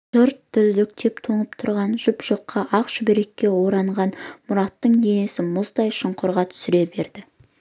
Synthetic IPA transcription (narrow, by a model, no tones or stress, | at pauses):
ʒʊɾt̪ʰːʏzd̪ɪk̚t̪ʰe̞pt̪ʰoɴəpt̪ʰʊɾʁɑnʒʊpʒ̥oqʰːɑʔɑqʃʏbeɾe̞kʲːe̞wo̞ɾɑɴʁɑnmʊɾɑt̪ːəɴd̪ene̞sɪmʊzd̪ɑjʃəɴqʰʊɾʁɑt̪ʰʏ̥sɪɾe̞be̞ɾd̪ɪ